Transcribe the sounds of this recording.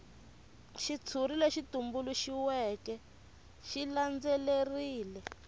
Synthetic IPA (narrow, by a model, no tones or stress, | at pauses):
ʃit͡sʰurileʃitumbuluʃiwɛkɛ | ʃiland͡zɛleriːlɛ